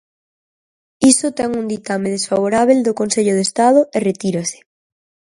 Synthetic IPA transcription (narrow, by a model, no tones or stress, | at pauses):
isot̪ɛŋund̪it̪ameðesfaβ̞oɾaβ̞eld̪okonseʎoð̞est̪að̞ʊeret̪iɾase̥